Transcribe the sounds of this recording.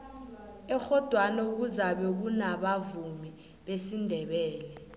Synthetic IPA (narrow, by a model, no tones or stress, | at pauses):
ɛxɔd̥ʱwanauk̬uzaɓɛk̬unaɓavumi | ɓesindʱɛɓɛːlɛ